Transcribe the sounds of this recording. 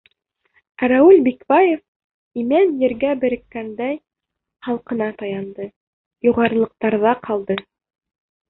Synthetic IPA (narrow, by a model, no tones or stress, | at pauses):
æɾæʉlʲbikbɑjef | imænjɘ̆ɾɡæbɘ̆ɾɘ̆kːænd̪æj | χɑlˠqɤ̆nɑt̪ɑjɑnd̪ɤ | juʁɑɾɤ̆lˠɤ̆q̚t̪ɑɾðɑqʰɑlˠd̪ɤ